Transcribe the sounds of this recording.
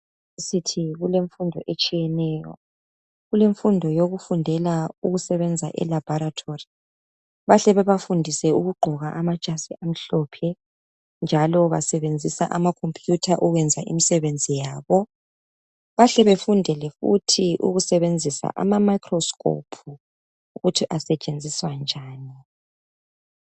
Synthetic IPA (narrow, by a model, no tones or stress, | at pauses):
isitʰiɣuleɱfundʱɔʔet͡ʃʼijɛnɛːjɔ̰ | ɣuleɱfundʱɔjoɣufundʱɛlauɣusɛβɛnd͡zʱa̰ʔɛ̰lab̥ʱɔɾatʰori | βaɬɛβɛβafundʱisɛuɣuɡ͡ǃʱɔɣaʔamad̥ʒ̥ʼʱasiʔam̩ɬɔpʰɛ | nd͡ʒʱalɔβa̰sɛβend͡zʱisaʔamakʰompʼʰjutʰaʔuɣwɛnd͡zʱaʔḭmisɛβend͡zʱijaːβɔ | βaɬɛβefundʱɛlɛfṵtʰiʔṵɣusɛβend͡zʱisa̰ʔa̰mamajkʰrɔskʰʼo̰pʰu | uɣutʰiʔasɛt͡ʃʼend͡zʱiswand͡ʒʱaːni